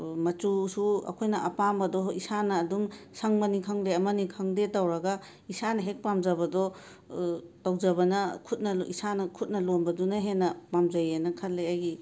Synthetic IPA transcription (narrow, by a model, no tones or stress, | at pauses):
mɐtusuɐ̰kʰojnɐʔɐpambɐdɔisanɐːdumsaŋmɐnikʰaŋleɐmɐnikʰaŋdetawɾɐɡa | isanɐɦek̚pamzabɐdɔ | tawzɐbɐnɐkʰut̚nɐisanɐkʰut̚nɐlonbɐdunɐɦenːɐpamzajenɐkʰɐlːeajɡi